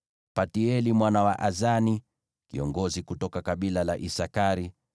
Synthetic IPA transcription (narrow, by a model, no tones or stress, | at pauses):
patiɛlimwanawaʔazani | kḭɔŋɡɔzikutɔkakaɓilalaʔisakaɾi